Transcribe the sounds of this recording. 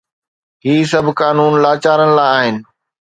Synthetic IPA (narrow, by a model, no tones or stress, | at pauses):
ɦiːs̬ɐbʱkaːnuːnlaːt͡ɕaːɾənɪ̆laːɪaːɦɪnɪ̆